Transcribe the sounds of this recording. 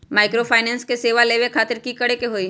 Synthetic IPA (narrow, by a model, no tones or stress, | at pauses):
maːɪkɾopʰaːɪnɛ̃ːnskeseːʋaleːʋekʰaːt̪ɪɾkikɐɽekeɦoːi